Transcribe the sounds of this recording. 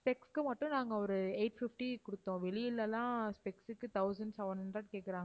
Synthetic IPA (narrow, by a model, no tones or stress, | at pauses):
spɛkskɯmɐʈːʊ̃naːŋɡɐɔɾɯeːʈfɪfʈikʊɽɯt̪ːõːʋɛɭɪjɪlːɛlːãːspɛksɯkːɯt̪ɐʊsɐɳɖsɛʋɐnhɦɐɳɖɾɐʈkeːkːɪɾãːŋɡɐ